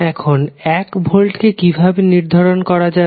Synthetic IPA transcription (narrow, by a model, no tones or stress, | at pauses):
ɛkʰonɛkbʱolʈkekibʱabeniɾd̪ʱaɾonkɔɾad͡ʑa